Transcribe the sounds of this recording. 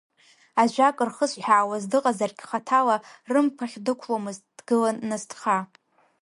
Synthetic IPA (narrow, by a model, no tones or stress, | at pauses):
aʒʷᶣakʼɨrχəsħaawazdɨqʼazarɡʲχatʰalarɨmpʰaχʲdɨkʷʰlomɨzd̥ɡɨlaːastʰχa